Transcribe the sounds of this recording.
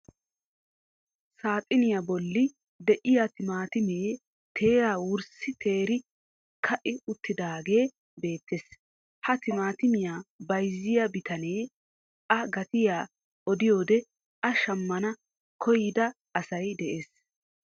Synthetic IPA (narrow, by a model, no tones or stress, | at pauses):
saːt̪ʼɪnɪjabɔlːɪ | d̪ɛʔɪjat̪ɪmaːt̪ɪme̞ː | t̪ʰe̞ːjaːwʊɾsɪt̪ʰe̞ːɾɪ | kʰɐʔɪʊt̪ːɪd̪aːɡe̞ː | be̞ːt̪ːeːs | hɐt̪ɪmaːt̪ɪmɪjaːbɐjzːɪjɐbɪt̪ɐne̞ː | ʔɐɡɐt̪ɪjaː | ʔɔd̪ɪjo̞ːd̪ɛ | ʔɐʃɐmːɐnɐ | kʰɔjɪd̪ɐ | ɐsɐjd̪ɛʔe̞ːs